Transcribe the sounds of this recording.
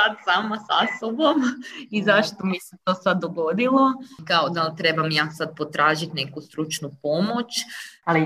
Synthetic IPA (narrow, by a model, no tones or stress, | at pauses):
ad̪saːmasasobomizaʃt̪o̞miset̪o̞sad̪ːoɡo̞d̪ilˠo̞kaod̪alt̪ɾe̞bamjaːsad̪̚po̞t̪ɾʔaːʒit̪ne̞kust̪ɾut͡ʃnupo̞mo̞t͡ɕali